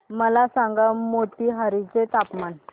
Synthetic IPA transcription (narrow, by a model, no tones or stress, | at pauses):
məlasãŋɡamoʈiːɦəɾit͡set̪apman